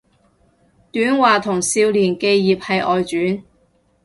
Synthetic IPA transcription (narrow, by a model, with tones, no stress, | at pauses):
t̪yː˨˥nwaː˨t̪ʰʊ˨˩ŋsiː˧wliː˨˩nke˧jːiː˨p̚hɐ˨jʔɔː˨jt͡ʃyː˨˥n